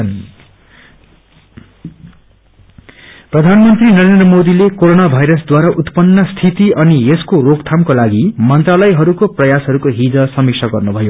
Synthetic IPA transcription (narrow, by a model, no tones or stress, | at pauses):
n | prʌd̪ʱanmʌnt̪rinʌɾend̪rʌmod̪ilekoɾonabʱajɾʌsd̪waɾaʔut̪pʌnːʌst̪ʰit̪iʌnieskorokt̪ʰamkolaɡimʌnt̪ralʌjɦʌɾukoprʌjasɦʌɾukoɦid͡zʌsʌmiksʰʌɡʌrnubʱʌjo